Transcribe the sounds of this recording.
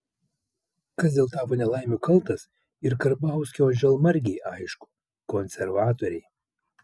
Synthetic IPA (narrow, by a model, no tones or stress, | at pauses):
kɐsd̪ʲeːlˠt̪ɑːpoːnʲɛlˠɑˑɪmʲukɐlˠˑt̪ɐs | ɪɾkɐɾbɑˑʊsʲkʲoːʒʲɛlˠmɐɾʲɡʲɛɪʔɐɪʃkʊ̥ | kɔnʲsʲɛɾʋɑːt̪oːɾʲɛɪ